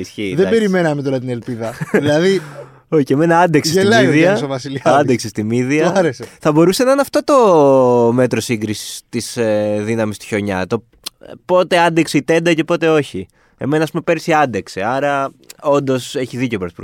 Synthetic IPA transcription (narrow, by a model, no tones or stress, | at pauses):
isçiðebe̞ɾime̞nɐmet̪o̞ɾɐt̪ine̞lpiðɐðilɐði | o̞çieme̞nɐɐnd̪ekselɐiðiɐsovɐsiliɐnd̪eksest̪imiðiɐɐɾeseθɐbo̞ɾusenɐinɐft̪o̞t̪o̞me̞t̪ɾo̞siŋɡɾisi̥st̪isðinɐmist̪i̥çoɲɐ̰t̪o̞ | po̞t̪e̞ɐnd̪ekseit̪e̞nd̪ɐce̞po̞t̪e̞o̞çi | e̞̰me̞nɐːspume̞pe̞ɾsiɐnd̪ekseɐɾɐ | o̞nd̪o̞se̞çiðice̞opɾosp